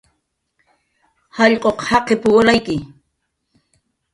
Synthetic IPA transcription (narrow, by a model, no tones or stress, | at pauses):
hɑʎqʼoqhɑqepʊwalajkɪ